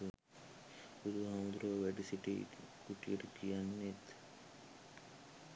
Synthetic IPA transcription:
ud̪uɦamd̪ɾoːʋæɖisiʈḭ | kuʈijeʈukijanːet̪

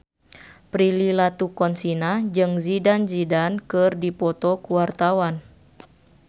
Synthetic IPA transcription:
pɾililat̪ukɔnsinad͡ʒɨŋzidanzidankɨrdipɔt̪ɔkuwart̪awan

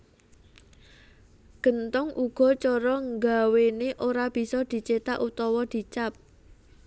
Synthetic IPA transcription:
ɡ̥ə̤nt̪ʊŋʔuɡ̥ɔ̤t͡ʃoɾɔŋɡaweneʔoɾab̥i̤sɔd̪̥i̤t͡ʃet̪aʔut̪ɔwɔd̪̥i̤t͡ʃap̚

